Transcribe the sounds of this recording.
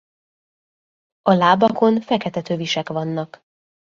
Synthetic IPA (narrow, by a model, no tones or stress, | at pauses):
ɒlaːbɒko̞nfɛkɛt̪ɛt̪øːviʃɛkʋɒnːɒk